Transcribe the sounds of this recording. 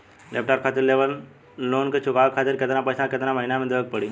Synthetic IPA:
lḛp̚ʈaːɾkʰaːt̪ɪɾleʋəl | loːnket͡ʃʰʊkaːʋkʰaːt̪ɪɾkɪt̪enapəjsãkɪt̪enaməɦinamẽd̪eək̚pəɽi

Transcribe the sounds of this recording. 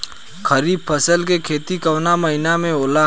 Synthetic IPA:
kʰəɾiːb̚pʰəsəlkekʰeːt̪ikɐʋnamɐɦɪnamẽoːla

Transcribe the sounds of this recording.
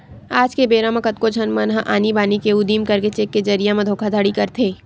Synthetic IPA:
aːd͡ʒkebeːɾãmɐ̃kɐt̪kod͡ʒʱɐnmɐnɦãʔaːnibaːnikeud̪iːmkɐɾket͡ʃeːkːed͡ʒɐɾijamẽd̪ʱoːkʰad̪ʱɐɽikɐɾt̪ʰeː

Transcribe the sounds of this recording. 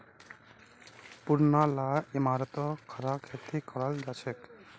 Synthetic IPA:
puɾnalaimaɾɔt̪ɔkʰaɾakʰet̪ːikɔɾald͡ʒat͡ʃʰek

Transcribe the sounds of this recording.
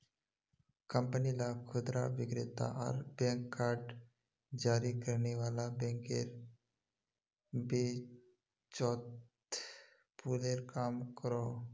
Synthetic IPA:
kəmpənilakʰud̪ɾa̰ʋiɡɾet̪a̰ʔa̰ɾbɛ̃ŋkːaɾɖ | d͡ʒaɾikəɾɳeʋalabɛ̃ŋkeɾ | be | t͡ʃɔt̪ | puleɾkamkəɾɔ

